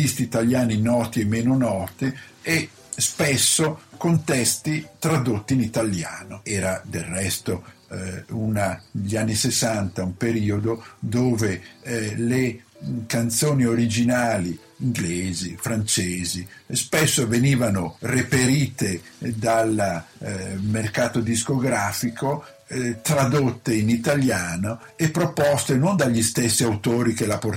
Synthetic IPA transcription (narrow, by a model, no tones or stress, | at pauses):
t̪ist̪iːt̪aljaːninɔːt̪iemːeːnonɔːt̪ie | spɛsːokont̪ɛst̪it̪ɾad̪ot̪ːiːnit̪alja̰ːnoɛːɾad̪elrːɛst̪o | unaʎianːisesant̪aumpeɾiːod̪od̪oːvelekant̪soːnioɾid͡ʒinaːliː | ŋɡleːzifɾant͡ʃeːzispesːoveniːvanorepeɾiːt̪ed̪al | merkaːt̪od̪iskoɡɾaːfiko | t̪ɾad̪ot̪ːeinit̪aljaːnoepːɾopɔst̪enond̪aʎːist̪esːiawt̪oːɾikelapor